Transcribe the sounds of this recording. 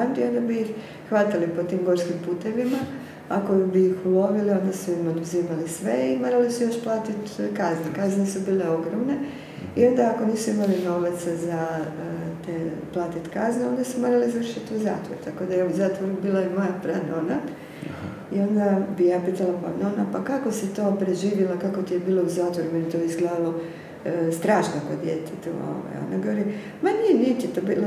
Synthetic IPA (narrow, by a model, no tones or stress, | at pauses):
and̪io̞nd̪abijix | xʋat̪alipo̞t̪iːmɡo̞ɾskimpuːt̪e̞ʋima | ako̞bijixulo̞ʋilio̞nd̪asuimod̪uziːmalisʋe̞imo̞ːɾalisujo̞ʃplˠaːt̪it̪kaznekaznesubiːle̞o̞ɡɾomne̞ | io̞nd̪aːko̞niːsuimalino̞ʋat̪saza | t̪eplˠat̪it̪kazneo̞nd̪asumo̞ːɾalizaʋɾr̩ʃit̪iuza̰ːt̪ʋo̰ɾut̪ako̞d̪ajeuzaːt̪ʋo̞ɾubiːlˠaemo̞japɾanona | io̞nd̪abijaːpiːt̪alapa̰nonapakako̞sit̪o̞ːpɾe̞ʒiːʋjilakako̞t̪ijebiːlˠo̞uzaːt̪ʋoɾumenet̪oːizɡled̪alˠo̞ | st̪ɾaːʃnokod̪jḛt̪ʰet̪ṵo̰ʋa̰jo̰naɡoʋoɾi | maniniːt͡ɕet̪obil